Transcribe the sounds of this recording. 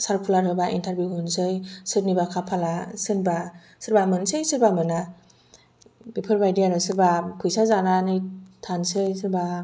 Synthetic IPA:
saɾpʰulaɾɦɯbaʔḭntʰaɾbjuɦunsɯjsɯɾnibakʰapʰalasɯnba | sɯɾbamɯnsɯjsɯɾbamɯna | bipʰɯɾbajdijaɾɯsɯɾbakʰujsazananɯjtʰansɯjsɯɾba

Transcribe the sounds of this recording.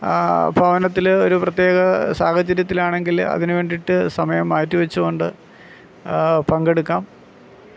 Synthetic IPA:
bʱɐʋɐnɐt̪̬ːilo̞ɾuprɐt̪je̞ːɣɐsaːhɐt͡ɕːɐɾjɐt̪̬ːilaːɳe̞ŋɡilɐ̰ðinuʋe̞ːɳɖiʈːɨsɐmɐjɐmːaːtːuʋɐt͡ɕːuɣo̞ɳɖɨ | pɐŋɡeɽukːaːm

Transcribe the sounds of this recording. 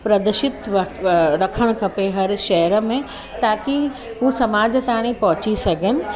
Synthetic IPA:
pɾɐd̪əʃɪt̪ʋɐɾɐkʰəɽ̃kʰɐpeɦɐɾʃɐɦəɾə̆mẽ | t̪aːki | ɦusɐmaːd͡ʑt̪aːɽ̃ipɐɦʊt͡ɕisɐɡʱənɪ̆

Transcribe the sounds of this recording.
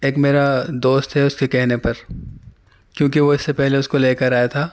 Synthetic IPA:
eːkmeːɾad̪oːst̪ɦɛʊskekɛɦnepɐɾ | kjõːkiʋoɪsːepɛɦleʊskoleːkɐɾaːet̪ʰaː

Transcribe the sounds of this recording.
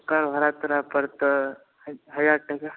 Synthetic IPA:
kaɾbʱəɾat̪ɾapəɾt̪ɐ | ɦəd͡ʒaɾʈɐka

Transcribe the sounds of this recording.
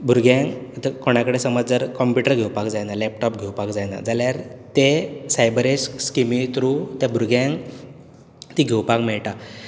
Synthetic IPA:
bʱuɾɡjãŋɡt̪əkoɽjakəɽesəməd͡zd͡zəɾkɔmpjuʈəɾɡʱewpakd͡zajnalɛp̚ʈɔpɡʱewpakd͡zajna̰d͡zaljaɾt̪esajbəɾeskskimĩt̪ɾut̪jabʱuɾɡjãŋɡ | t̪iɡʱewpakmɛɭʈa

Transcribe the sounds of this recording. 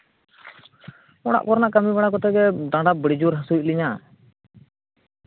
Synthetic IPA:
ɔɽ̃a̰ʔkɔɾnaʔkamibaɽakɔt̪ɛɡɛdãɖabəɽid͡ʒuɾɦasujc̚liɲa

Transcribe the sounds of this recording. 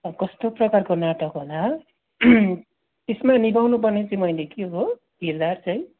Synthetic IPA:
kʌstoprʌkarkonaʈʌkɦola | t̪esmanibʱawnup̬ʌrnet͡sʌĩmʌjlekiɦo | bʱird̪art͡sʌĩ

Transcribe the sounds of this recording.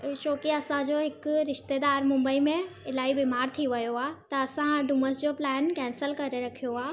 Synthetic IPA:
ʃoːkiɐsãd͡ʑoːɦɪkʊɾɪʃt̪ed̪aːɾmʊ̃mbəimẽɪlaːibiːmaːɾt̪ʰiʋɐjoaːt̪ɐɐsãɖũːməsd͡ʑoːplɛːnkɛ̃ːnsəlkɐɾeɾɐkʰijoaː

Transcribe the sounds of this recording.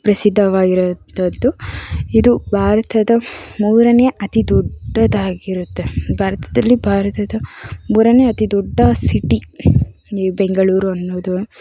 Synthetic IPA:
pɾɐsid̪ʱːɐʋaːɡiɾɐt̪ɐd̪ːuid̪ubʱaːɾɐt̪ɐd̪ɐmuːɾɐneɐʔɐt̪id̪ɔɖːɐd̪aːɡiɾut̪ːe̞bʱaːɾɐt̪ɐ̥d̪ɐlːibʱaːɾɐt̪ɐd̪ɐmuːɾɐneɐt̪id̪ɔɖːɐsiʈi | beŋɡɐɭuːɾuɐnːoːʋd̪u

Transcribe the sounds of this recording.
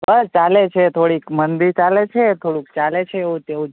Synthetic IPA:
bbət͡ʃalet͡ʃʰet̪ʰoɽikmənd̪iɾt͡ʃalet͡ʃʰet̪ʰoɽũkt͡ʃalet͡ʃʰeːʋũt̪eũ

